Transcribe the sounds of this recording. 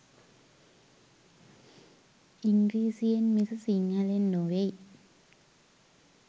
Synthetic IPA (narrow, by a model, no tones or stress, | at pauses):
iŋɡɾiːsienmisɐsiŋalenːowej